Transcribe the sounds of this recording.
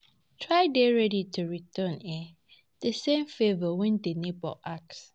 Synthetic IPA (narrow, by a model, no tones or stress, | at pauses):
tʰɹaɪdeɹɛɾitʰuɹitʰə̃nɛ | d̥əsẽmfevəwɛ̃ndenibɔ̰ʔaks